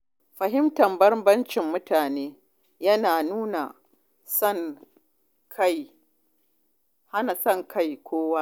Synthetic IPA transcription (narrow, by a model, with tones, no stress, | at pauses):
fɐ˨ɦɪ˦mtɐ˨mbɐ˦rbɐ˦nt͡ʃɪ˨mːʊ˦tʰaː˨neː˦ | jɐ˦naː˨nuː˦na˨ | sɐ˦˨ŋ | kʰa˦˨j | ha˦na˨sɐ˦˨ŋkʰɐ˦˨jkʷʰoː˦waː˦